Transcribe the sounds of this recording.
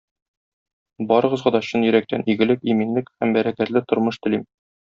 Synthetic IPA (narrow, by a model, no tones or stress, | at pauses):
bɒɾɤ̆ʁɤ̆zʁɑd̪ɒɕɤnjɵ̆ɾæk̚t̪ænʔiɡɘ̆lɘkiminlɘkhæmbæɾækæt̪lɘt̪ŏɾmɤʃt̪ɘ̆lim